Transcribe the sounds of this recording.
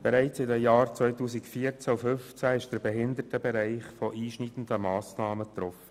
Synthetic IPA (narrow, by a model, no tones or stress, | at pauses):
b̥ɛɾæɪt͡sɪdɛjɑːɾt͡sʋœʏtuːsikfiːəɾt͡sæufʏnft͡sæɪʃd̥əɾbɛɦɪnd̪ətəbɛɾæɪχfɔʔiːʃniːd̪ən̩d̥̪əmɑːsnɑːmət̪ɾɔfə̥